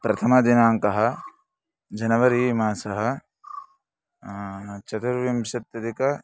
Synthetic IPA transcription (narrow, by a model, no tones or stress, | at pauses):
pɾɐt̪ʰɐmɐd̪inaːŋkɐɦɐ̆ | d͡ʒɐnɐʋɐɾiːmaːsɐɦɐ̆ | t͡ʃɐt̪ɐɾʋjɐmʃɐt̪jɐd̪ikɐ